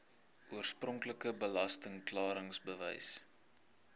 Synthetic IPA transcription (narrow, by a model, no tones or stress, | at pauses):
ʔuərsprɔŋkləkəbəlɐstəŋklɑːɾəŋsbəvɛ̰js